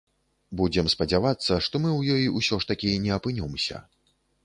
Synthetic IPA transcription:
bud͡zʲɛmspɐd͡zʲavat̪sːɐʂt̪ɔmɨwjɔjiusʲɔʂt̪ɐkʲinʲɛɐpɨnʲɔmsʲɐ̰

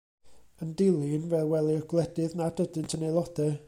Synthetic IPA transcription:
əndɪlˠɪnvɛlˠwɛlˠɪɔɡ̥lˠɛdɨðnadədɨntʰənejlˠɔd̥ɛ

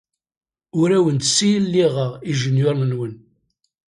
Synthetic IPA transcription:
ʊɾæwənt̪sːijəlːiʁəʁiʒənjʊɾˤnənwən

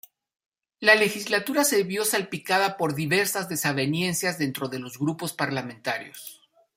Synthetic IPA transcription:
lale̞xizlat̪uɾase̞βjo̞salpikaðapo̞ɾðiβe̞ɾsazðe̞saβe̞nje̞nsjazðe̞nt̪ɾo̞ðe̞lo̞zɣɾupo̞spaɾlamẽnt̪aɾjo̞̰s

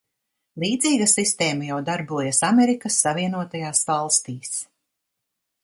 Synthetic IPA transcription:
lˠiːd̪ziːɡasist̪ɛːmajawd̪aɾbuɔjasameɾikasːaviɛnuɔt̪ajaːsvɑlˠst̪iːs

